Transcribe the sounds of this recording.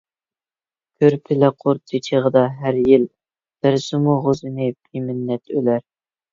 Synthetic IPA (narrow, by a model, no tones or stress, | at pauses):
kʲʰøɾpʰɪlɛqʰoɾt̪ʰːɪt͡ʃʰeʁəd̪ɑɦæɾjil | b̪̥æɾsɪmuʁʊzɪnɪpʰimɪnːɛt̪ʰølæɾ